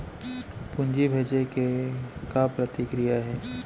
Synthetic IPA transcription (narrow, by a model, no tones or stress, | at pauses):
pʊ̃nd͡ʒibʱeːd͡ʒekekapɾət̪ɪkɾijaɦɛː